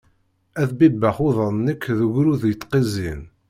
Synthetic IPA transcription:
æθbibːəχʊðˤənnːəkːðəɣɾuðjət̪ːqizin

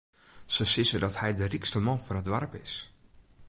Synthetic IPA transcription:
səsɪsədɔthɛjdərikstəmɔnfʊrɦədʋarpɪs

